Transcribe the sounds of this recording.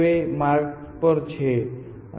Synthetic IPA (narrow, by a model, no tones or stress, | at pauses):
emaɾk | pɔɾt͡ʃʰe